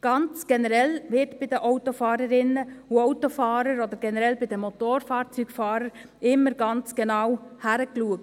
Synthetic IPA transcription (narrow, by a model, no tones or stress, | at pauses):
ɡ̥ɑnt͡sɡ̥ɛnəɾɛlʋɪɾtb̥ɪd̪əʔɔʊt̪ofɑːɾəɾɪnəuɔʊt̪ofɑːɾəɾɔd̪əɾɡɛnəɾɛlbɪd̥̪əmːɔt̪oːɾfɑːɾt͡syɡ̥fɑːɾəɾ | ɪmːəɾɡɑnt͡sɡ̥enɑwhæɾəkluək̚t